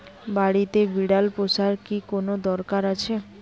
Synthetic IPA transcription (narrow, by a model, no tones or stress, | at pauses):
baɽit̪ebiɽalposaɾkikonod̪ɔɾkaɾat͡ɕʰe